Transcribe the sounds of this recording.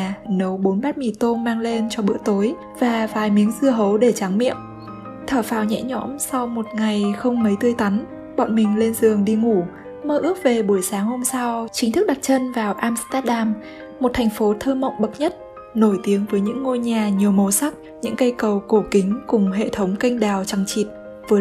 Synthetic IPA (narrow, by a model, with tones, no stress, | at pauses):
nə˨˦wɓo˨˦nɓaː˦˥t̚mi˧˩t̪o˧nmaː˧ŋle˧nt͡ɕɔ˧ɓɨ̰˧˥ət̪o˨˦j | vaː˨˩vaː˨˩jmi˨˦əŋzɨ˧əɦə˨˦wɗe˧˩t͡ɕa˨˦ŋmḭ˧˨əm | t̪ʰəː˧˩faː˧˩wɲɛ̰˧˥ɲɔ̰˧˥msa˧wmo˨˩t̚ŋa˨˩jxə˧wŋ͡mmə˨˦jt̪ɨ˧əjt̪a˨˦n | ɓɔ̰˧˨ŋ͡mmï˨˩ŋ̟le˧nzɨ˨˩əŋɗi˧ŋu˧˩ | məː˧ʔɨ˦˥ək̚ve˨˩ɓu˧˩əjsaː˨˦ŋho˧msa˧wt͡ɕï˨˦ŋt̪ɨ˦˥k̚ɗa˨˩t̚t͡ɕə˧nvaː˨˩wʔaː˧mst̪aː˦˥t̚ɗaː˧m | mo˨˩t̚t̪ʰɛ˨˩jŋ̟fo˨˦t̪ʰəː˧mə̰˧˨wŋ͡mɓə˨˩t̚ɲə˦˥t̚ | no˧˩jt̪i˨˦əŋvəː˨˦jɲɨ̰˧˥ŋːo˧jɲaː˨˩ɲi˨˩əwmo˨˩sa˦˥k̚ | ɲɨ̰˧˥ŋkə˧jkə˨˩wko˧˩kï˨˦ŋ̟kʊ˨˩ŋ͡mɦḛ˧˨t̪ʰə˨˦wŋ͡mka˧jŋ̟ɗaː˨˩wt͡ɕa˨˩ŋt͡ɕi˨˩t̚ | vəː˨˦